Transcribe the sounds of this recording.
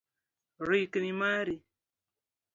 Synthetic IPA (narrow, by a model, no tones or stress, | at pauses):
ɾiknimaɾi